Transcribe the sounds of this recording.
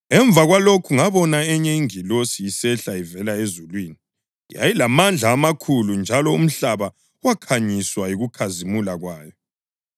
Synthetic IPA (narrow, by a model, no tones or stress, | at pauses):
ɛɱb̪vʱaɣwalokʰuŋaβɔnaɛɲɛiŋilosiisɛɬaivɛlaezulwiːni | ja̰jilamand͡ɮʱaːmakʰulund͡ʒʱalɔum̩ɬaβa | wakʰaɲiswajiɣukʰazimulaɣwaːjɔ